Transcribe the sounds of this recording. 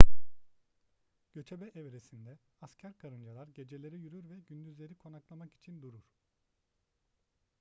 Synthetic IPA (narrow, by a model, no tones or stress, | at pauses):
ɟ̥ø̞t͡ʃ̪ʰebɛʔɛvɾesind̪ɛ | ascʰæɾkʰaɾɯnd͡ʒalˠaɾɟe̞d͡ʒe̞lʲe̞ɾijyɾyɾvɛɟynd̪yzlʲe̞ɾikʰo̞naklˠamaki̥t͡ʃʰind̪uɾuɾ̥